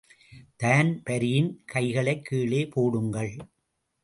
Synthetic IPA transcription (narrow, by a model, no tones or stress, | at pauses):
t̪aːnpɐɾɪjɪnkɐɪɣɐɭɐɪkʰːiːɭeːpoːɽɯŋɡɐɭ